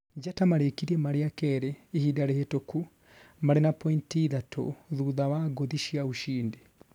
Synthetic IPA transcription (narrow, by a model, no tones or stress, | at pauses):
ɟatamaɾekiɾemaɾiakeɾeːhidaɾehetoku | maɾinapointiðatʰo̰ðuðaβaɡoðiʃijauʃiːndi